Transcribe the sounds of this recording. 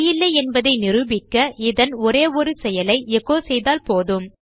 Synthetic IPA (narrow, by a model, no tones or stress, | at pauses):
jɪlːɐɛnbɐðɐɪnɪrɯbɪkːɐʔɪðɐnɔɾeːʋɔɾɯsɛjɐlɐɪɛɣoːsɛjðaːlpoːðɯm